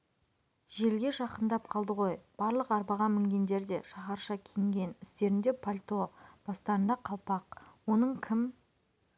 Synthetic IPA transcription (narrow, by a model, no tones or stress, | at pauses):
ʒe̞lɡʲe̞ʃɑqənd̪ɑp̚qʰɑlˠd̪əʁo̞jb̥ɑɾlˠəqɑɾbɑʁɑmɪŋɡʲe̞nd̪e̞ɾd̪e̞ʃɑχɑɾʃɑkʲʰeŋɡʲe̞nʏst̪e̞ɾɪnd̪e̞pʰolʲt̪o̞b̥ɑst̪ɑɾənd̪ɑqʰɑlˠpɑq̚wo̞nəɴkʲʰɪm